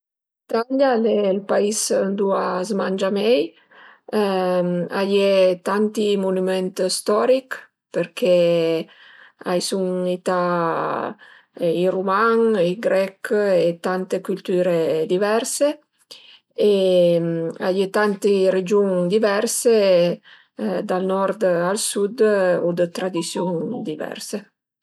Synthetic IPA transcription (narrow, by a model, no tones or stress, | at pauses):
it̪aljalɛlpaisnd̪uazmand͡ʒamɛj | a̰jet̪ant̪imunumɛnt̪st̪ɔɾik | peɾke | ajsuŋit̪a | irumaŋiɡɾɛket̪ant̪ekylt̪yːɾed̪ivɛɾse | ema̰jet̪ant̪iɾed͡ʒuŋd̪ivɛɾse | d̪alnɔɾd̪alsud̪od̪ət̪ɾad̪isjund̪ivɛ̰ɾse